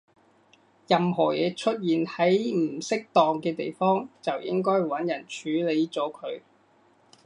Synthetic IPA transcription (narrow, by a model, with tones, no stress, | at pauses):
jɐ˨mɦɔː˨˩jɛː˨˧t͡ʃʰɵ˥t̚jiː˨nhɐ˨˥jm̩˨˩sɪ˥k̚t̪ɔː˨ŋkɛː˧t̪e˨jfɔː˥ŋt͡sɐ˨wjɪ˥ŋkɔː˥jwɐ˨˥njɐ˨˩nt͡ʃʰyː˨˥le˨˧jt͡sɔː˨˥kʰɵ˨˧ɥ